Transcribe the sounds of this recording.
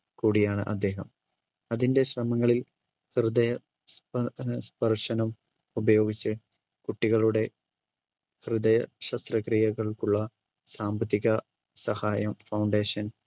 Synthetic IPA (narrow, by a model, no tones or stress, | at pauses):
kuːɽijaːɳɨ̰ʔɐd̪ːe̞ːɦɐm | ɐðinde̞ɕrɐmɐŋːɐɭil | hrɨd̪ɐjɐ | spspɐrʂɐnɐm | ubɐjo̞ːɡit͡ɕːɨ | kuʈːiɣɐɭuɽe̞ | hrɨðɐjɐɕɐst̪rɐkrijɐɣɐɭkuɭːɐ | saːmbɐt̪ːiɣɐ | sɐhaːjɐmfɐwɳɖe̞ːɕɐn